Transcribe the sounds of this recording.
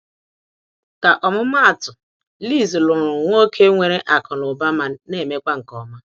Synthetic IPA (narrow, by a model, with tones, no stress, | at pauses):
ka˨ʔɔ˨mʊ˦m˦a˦a˨tʊ˨ | li˦˨zi˨lʊ˨ɾʊ˨ŋʷo˦kʰe˦ŋʷe˨ɾe˦ʔa˨kɔ˨nʊ˨ba˦ma˨ne˦˨me˦kʷa˦ŋ̩˨kɔ˨ma˦